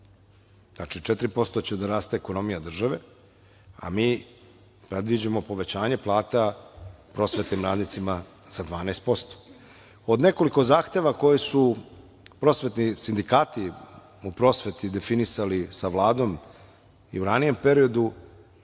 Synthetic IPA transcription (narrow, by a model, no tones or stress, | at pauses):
znat͡ʃit͡ʃet̪ɾipo̞st̪o̞t͡ɕed̪aɾaːst̪eːko̞no̞mijad̪r̩ʒaʋe̞ | a̰miː | pɾed̪ʋid͡ʑamo̞po̞ʋe̞t͡ɕaːɲe̞plˠaːt̪apɾo̞sʋe̞t̪nimɾa̰ːd̪nit̪sima | z̥ad̪ʋaːnɛːst̪̚po̞st̪o̥ | o̞d̪ne̞ko̞liko̞zaːxt̪e̞ʋako̞jesu | pɾo̞sʋe̞t̪nisind̪ikaːt̪i | upɾo̞ːsʋet̪id̪e̞finisalisaʋlˠaːd̪o̞m | ḭuɾanije̞mpe̞ɾio̞d̪u